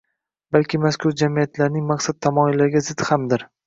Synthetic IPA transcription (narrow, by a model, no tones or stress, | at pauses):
balkʲɪmaskʰʊɾd͡ʒamijat̪laɾnɪŋmaqsat̪ʰːamɒɪlːaɾɪɡʲazɪdt̪hamd̪ɪɾ